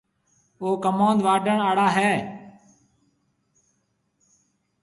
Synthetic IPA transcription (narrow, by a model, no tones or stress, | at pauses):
oːkəmãːnd̪ʋaːɖʱəɳaːɽaːɦɛː